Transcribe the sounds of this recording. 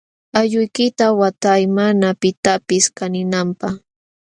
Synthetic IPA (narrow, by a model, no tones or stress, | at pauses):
aʎʊjkɪt̪awat̪ajmanapɪt̪apɪskanɪnampaχ